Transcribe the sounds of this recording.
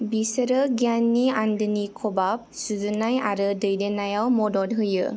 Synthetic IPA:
bisəɾɯɡjanːiandɯnikʰɔbap̚suzunaja̰ɾɯdɯjdenajawmɔdɔd̚ɦɯjɯ̰

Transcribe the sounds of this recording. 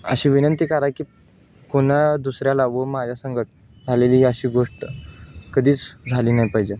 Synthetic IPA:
ə̰ɕiːʋinənt̪iːkaɾakiː | koɳ̃ad̪usɾjalaʋəmad͡ʑʱjasəŋɡʱəʈ̚ | d͡zʱaleliːɦiəɕiːɡoʂʈəkəd̪ʱiːt͡sd͡zʱaliːnajpəɦd͡ʑe

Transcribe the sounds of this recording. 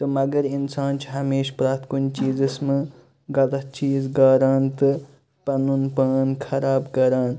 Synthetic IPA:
t̪ɨmɐɡɐɾinsaːnt͡ʃʰɦɐmeːʃpɾaːt̪ʰkunt͡ʃiːzɨsmɐ | ɡɐlɐɦt͡ʃiːzɡaːɾaːnt̪ɨ | pɐnunpaːnkʰɐɾaːbkɐɾaːn

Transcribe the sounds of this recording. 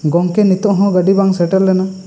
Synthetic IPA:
ɡɔŋkɛnit̪ɔʔɦɔ̃ɡəɖibaŋsɛʈɛlːɛna

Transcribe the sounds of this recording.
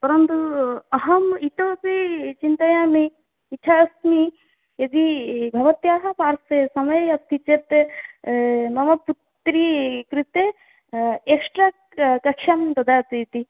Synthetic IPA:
pɐɾɐnt̪uɐɦɐmit̪obit͡ʃint̪ɐjami | it͡ʃʰaɐsmi | jɐd̪ibʱɐʋɐt̪jaːɦapaːɾsesɐmɐjɐst̪ʰit͡ʃet̪e | mɐmɐput̪ːɾikɾit̪e | eksʈɾa | kɐkʃɐmd̪ɐd̪at̪ɐit̪i

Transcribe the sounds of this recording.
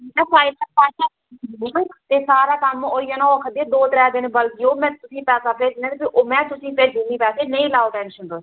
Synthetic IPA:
ɛ̃ːpaːɪt̪əpaːʃãː | t̪eːsaːɾaːkəmoːiːaːnãoːkʰəd̪ieːd̪oːt̪ɾɛːd̪ɪnbəlɡɪjoːmɛ̃ːt̪ʊsĩːpɛːsaːpeːd͡ʒ̪ɪnãːd̪biʔomɛ̃ːt̪ʊsĩːpeɾd͡ʒumĩːpɛːseːnəĩːlaːoːʈɛ̃ːnɪʃənd̪oː

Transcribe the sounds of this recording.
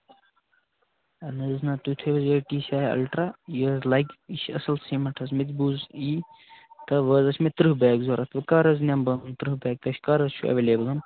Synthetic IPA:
ɐnɐznat̪ut̪ʰebɐzɐʈiːsʲaːjɐ̰lʈɾajəːzlɐjɡiʃɐ̰sɐlsiːmɐʈʰɐsmet̪ʲbuːziː | t̪ɐʋɐːzɐsʰʲmet̪ɾɨɦbɛːɡzoːɾɐt̪ʰʋɐkaːɾɐznʲambɐnnt̪ɾɨɦbɛːɡ̚t̪ɐʃʰʲkaːɾɐzt͡ʃʰuɐ̰ʋeːlʲeːbɐlɐn

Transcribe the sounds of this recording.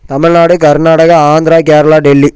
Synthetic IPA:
t̪ɐmɪɻnaːɽɯkɐɾnaːɽɐɣɐaːnd̪ɪɾaːkeːɾɐlaːɖɛlːi

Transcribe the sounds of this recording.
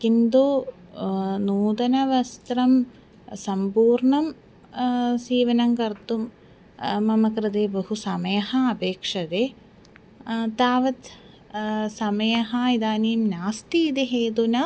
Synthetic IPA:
kind̪u | nuːd̪ɐnɐʋɐst̪ɾɐm | sɐmpuːɾɳɐm | siːʋɐnɐŋkɐɾt̪umː | ɐmɐkɾɐd̪eːbɐɦusɐmɐjɐɦɐɐpeːkʂɐd̪eː | t̪aːʋɐt̪ | sɐmɐjɐɦɐid̪aːniːmnaːst̪iːd̪eɦeːd̪unɐ

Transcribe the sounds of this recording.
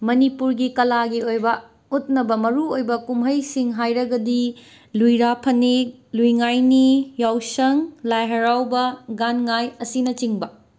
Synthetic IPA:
mɐnipuɾɡikɐlaɡiojbɐ | ut̚nɐbɐmɐɾuojbɐkumɦɐjsiŋɦajɾɐɡɐdi | lujɾapʰɐnilujŋajnijawsɐŋlajɦɐɾawbɐɡanŋajɐsinɐt͡ʃiŋbɐ

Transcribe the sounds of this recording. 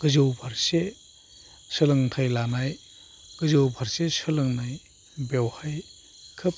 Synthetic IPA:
ɡ̥ɯzɯwbʰʱaɾse | sɯlɯŋtʰajlanaj | ɡ̥ɯzɯwbʰʱaɾsesɯlɯŋnaj | bewhaj | kʰɯp̚

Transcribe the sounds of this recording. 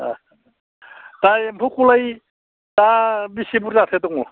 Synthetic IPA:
a̰ | tajmpʰukulaj | tabisibuɾzat̪ʰetɔŋu

